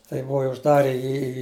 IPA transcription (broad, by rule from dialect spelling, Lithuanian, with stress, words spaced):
tɐɪ ˈbʊʋɐ ɪ ʊʒˈdɑːrʲɛ ˈjiː iː